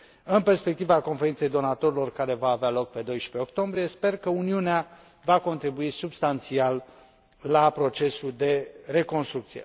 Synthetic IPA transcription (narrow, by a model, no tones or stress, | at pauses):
ɨnpe̞rspe̞k̚t̪ivako̞nfeint̪sejd̪o̞nat̪o̞ɾilo̞rkaɾe̞vaːvealo̞k̚pe̞d̪o̞jʃpe̞ok̚t̪o̞mbɾijespe̞rkəuniunea | vako̞nt̪ɾibuisubst̪ant̪sialː | apɾo̞t͡ʃe̞suld̪e̞ɾe̞ko̞nst̪ɾukt̪sijḛ